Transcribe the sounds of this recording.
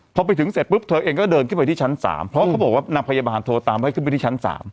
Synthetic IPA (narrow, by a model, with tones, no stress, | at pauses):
pʰɔ˧pa˧jt̪ʰɯ˩˦ŋse˨˩t̪̚pɯ˦˥p̚t̪ʰɤː˧ʔeː˧ŋkɔː˥˩dɤː˧nkɯ˥˩npa˧t̪i˥˩t͡ɕʰa˦˥nsa̰ː˩˦mpʰɾɔ˦wa˥˩a˦˥bɔː˨˩k̚wːna˧pʰa˧jaː˧baː˧nt̪ʰoː˧t̪aː˧ma˧˥˩kʰpa˦˩t̪iː˥˩a˦˥nsa̰ː˩˦m